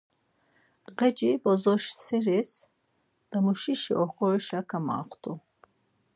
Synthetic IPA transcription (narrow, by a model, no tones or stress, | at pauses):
ʁɛd͡ʒibɔzɔʃsɛɾɛs | d̪̥amuʃiʃiʔɔχɔɾiʃakʰama̰ːχt̪ʰu